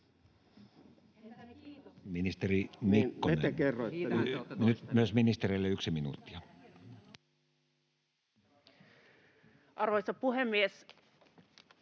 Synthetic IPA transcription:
minist̪erimikːoneækerːoenyt̪myøsminist̪erelːeyksiminṵːˑt̪ːi̥ɑ | ʔɑrʋojsɑpuhemːies

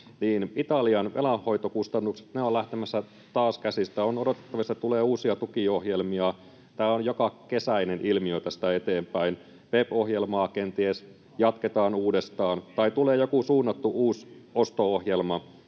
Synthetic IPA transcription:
niːnit̪ɑliɑnʋʔelɑhho̞it̪okust̪ɑnːukse̥t̪neolæht̪emæsːæ | t̪ɑːskæsist̪æonodo̞t̪et̪ːɑʋist̪æt̪uleːuːsiɑt̪ukiohjelmiɑ | t̪æːonjokɑkesæinenʔilmiøt̪æsi̥t̪æet̪eːmpæin | ʋepohjelmɑːkent̪ies | jɑt̪ket̪ɑːnuːdest̪ɑːnt̪ɑit̪uleːjokusuːnːɑt̪ːuʔuːsost̪oohjelmɑ

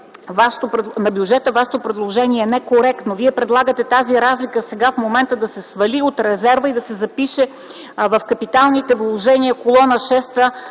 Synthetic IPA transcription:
vaʃɛ̥t̪opɾnɐbjud͡ʒɛt̪əvaʃɛ̥t̪opɾɛd̪lˠoʒɛniɛnɛkoɾɛkt̪noviɛpɾɛd̪lˠaɡət̪ɛt̪aziɾazlikəsɛɡafmomɛnt̪əd̪ɐsɛsvɐliot̪ɾɛzɛɾvəid̪ɐsɛzɐpiʃɛ | vɐfkɐpit̪alˠnit̪ɛvlˠoʒɛniəkolˠɔnəʃɛst̪ə

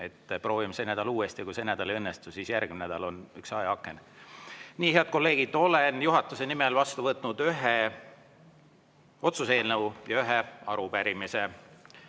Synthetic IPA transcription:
e̞t̪ːpro̞ːvimsenæd̪̥ɑluːest̪ikuse̞næd̪ɑleɤnːest̪usiːsjærɡ̥mimnæd̪̥ɑlo̞nyksɑjeɑkːˑe̞n | niːheɑd̪̥̚ko̞lːe̞ːɡ̥id̪̥o̞lenjuɦɑt̪ːˑuse̞nimelvɑst̪uvɤt̪ːˑnud̪̥yɦe | o̞t̪suse̞ːlnejɑyɦeɑɾupæɾimise̞

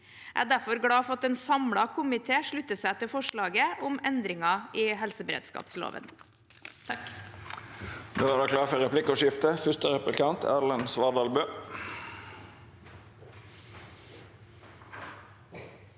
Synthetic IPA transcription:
ʔæ̰ːd̪æfɔɾɡɽɑːfɑt̪eːnsɑmɽɑkʰʊmɪt̪ʰeːʂɭʉt̪ːəsæɪt̪ɪfɔʂɭɑːɡəʊmɛnd̪ɾɪŋɑʔiːɦɛlsəbɾḛːd̪skɑ̰ːpslo̰ːʋə̰n | noːʋæːd̪ɑːkʰlɑːɾfœʁɛpʰlɪkːɔʃɪft̪əfʏst̪əɾɛplɪkɑnt̪ʰæ̰ːlɛnsʋɑːd̪ɑːlbøː

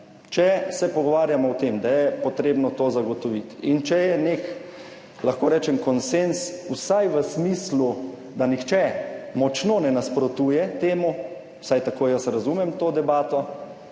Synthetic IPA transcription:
t͡ʃɛsɛpɔɡɔʋaːɾjamɔwt̪eːmd̪ajɛpɔt̪ɾeːbnɔt̪oːzaɡɔt̪ɔʋit̪int͡ʃɛjɛnek | laxkoːɾɛːt͡ʃɛmkɔnsensusajʋəsmiːslu | d̪anixt͡ʃɛmɔt͡ʃnonɛnaspɾɔt̪uːjɛt̪eːmu | wsajt̪akoːjəsɾazumɛmt̪oːd̪ɛbaːt̪ɔ

